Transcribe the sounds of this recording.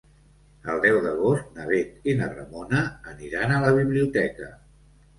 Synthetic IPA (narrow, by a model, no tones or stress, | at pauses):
əlˠd̪ɛwðəɣ̞ost̪̚nəβet̪inərə̰monəːniɾanələβ̞iβliut̪ɛkə